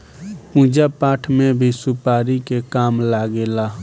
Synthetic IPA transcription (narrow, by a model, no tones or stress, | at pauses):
pũd͡ʒapaːʈʰmebʱisupaːɾikekaːmlaɡela